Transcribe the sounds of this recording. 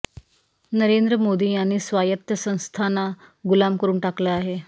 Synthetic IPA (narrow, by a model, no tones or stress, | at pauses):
nəɾend̪ɾəmod̪iːaɽ̃iːsʋajət̪jəsə̃w̃st̪ʰanaɡulamkəɾuːɳʈakləaɦe